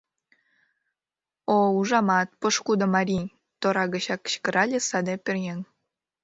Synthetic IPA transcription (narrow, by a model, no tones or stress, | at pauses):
ouʒɑmɑt̪̚poʃkud̪ŏmɑɾʲi | t̪oɾɑɣə̆t͡ɕɑkːə̥ɕkə̆ɾɑlʲesɑd̪epʲerjeŋ